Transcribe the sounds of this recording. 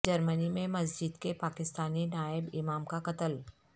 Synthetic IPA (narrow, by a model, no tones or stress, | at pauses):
d͡ʒɐɾmənimẽmɐs̬d͡ʒɪd̪kepaːkɪst̪aːninaːɪbɪmaːmkaqɐt̪əl